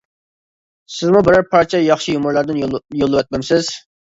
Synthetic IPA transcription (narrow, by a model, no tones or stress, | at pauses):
sɪzmubɪɾæɾpʰɑɾt͡ʃʰɛjɑχʃijumʊɾlˠɑɾd̪ɪnjolˠːɨwɛt̪̚mɛmsɪz̥